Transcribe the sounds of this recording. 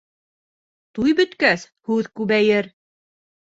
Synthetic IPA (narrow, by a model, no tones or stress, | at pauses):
t̪ujbɵ̆t̪kæs | hʉðkʉβæjɘɾ